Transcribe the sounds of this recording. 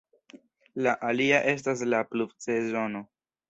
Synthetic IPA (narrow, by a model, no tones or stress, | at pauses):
laʔaliaʔe̞s̬tas̬laplubt͡sezo̞no̞